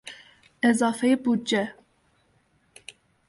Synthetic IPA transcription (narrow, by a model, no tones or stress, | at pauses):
ɛzɑːfɛjebud͡ʒɛ